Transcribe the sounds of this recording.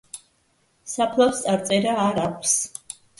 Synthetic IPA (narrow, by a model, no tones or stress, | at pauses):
sapʰlˠafst̪sʼaɾt̪sʼɛɾaːɾakʷʰs